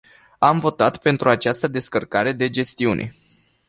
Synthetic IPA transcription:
amvo̞t̪at̪pe̞nt̪ɾuat͡ʃast̪əd̪e̞skərkaɾe̞d̪e̞d͡ʒe̞st̪iunʔe̞̰

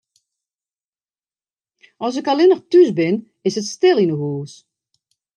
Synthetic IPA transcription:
ɔs̬ɪkalɪnəχtysbɪn | ɪsətstɪlˠinəɦuːs

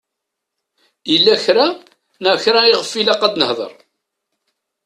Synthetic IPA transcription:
ilːæçɾa | næçɾæiʁəfːilæqːɑd̪nəhðˤə̰ɾˤ

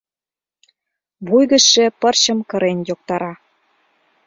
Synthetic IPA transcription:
βujɣə̆ʃĕpɤ̆rɕə̆mkɤ̆ɾenʲjok̚t̪ɑɾɑ

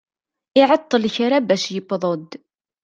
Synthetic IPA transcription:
ɪʕət̪ˤːəlçɾabæʃjəpːðˤod̪

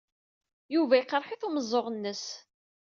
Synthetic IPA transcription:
juvæjəqːəɾˤħɪθuməzˤːoʁnːəs

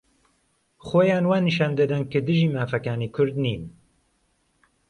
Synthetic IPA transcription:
xoːjaːnwaːniʃaːnd̪ɨd̪ɨnkɨd̪ɨʒiːmaːfɐkaːniːkʰʊɾd̪niːn

